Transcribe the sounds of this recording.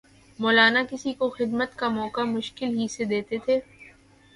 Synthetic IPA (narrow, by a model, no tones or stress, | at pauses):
mɔːlaːnakɪsikoxɪd̪mət̪kamɔːkamʊʃkɪlɦised̪eːt̪et̪ʰeː